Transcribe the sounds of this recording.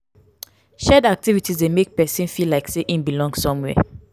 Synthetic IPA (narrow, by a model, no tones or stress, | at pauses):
ʃɛdak̚tivitizdemek̚pɛsĩnfilaɪkseʔĩnbilɔ̃ŋɡsɔ̃mwɛ̰